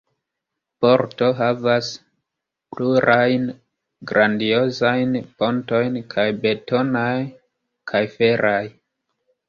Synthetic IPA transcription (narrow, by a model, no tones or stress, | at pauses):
po̞ɾto̞ɦavas | pluɾʔajn | ɡɾandio̞zajnpo̞nto̞jnkʰajbe̞to̞naj | kʰajfe̞ɾʔaj